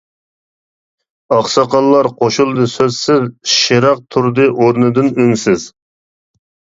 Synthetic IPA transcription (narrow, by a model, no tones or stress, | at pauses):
ɑχsɑqɑlˠːɑɾqʰoʃulˠd̪ɨsøzsɪzʃeɾɑq̚t̪ʰuɾd̪ɨʔoɾnɨd̪ɨnøŋsɪz